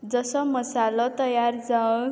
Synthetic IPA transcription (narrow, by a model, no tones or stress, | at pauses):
d͡zʌsʌmʌsalʌt̪ʌjard͡za